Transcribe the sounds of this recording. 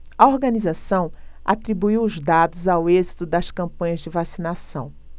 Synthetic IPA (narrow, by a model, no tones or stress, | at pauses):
ɐoɾɡɐ̃nizasɐ̃w̃a̰t̪ɾibuiwʊzd̪ad̪ʊzawezit̪ʊd̪ɐskɐ̃mpɐ̃ɲɐzd͡ʒɪvasinasɐ̃w̃